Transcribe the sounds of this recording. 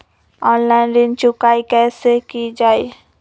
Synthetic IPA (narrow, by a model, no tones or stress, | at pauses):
ɔːnlaːɪnɖɪnt͡ʃʊkaːikɛːsekid͡ʒaːi